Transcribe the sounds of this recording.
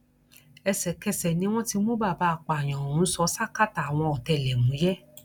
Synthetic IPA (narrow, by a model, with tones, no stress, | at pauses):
ɛ˧sɛ˨kɛ˧sɛ˨nĩ˦w̃ɔ̃˦ti˧˦mõ˦ba˦˨ba˧˦˨k͡pa˨j̃ã˨ũ˨˦sɔ˧˦sa˦ka˦˨ta˨a˨w̃ɔ̃˧ɔ˨tɛ˧˨lɛ˨mũ˨˦jɛ˦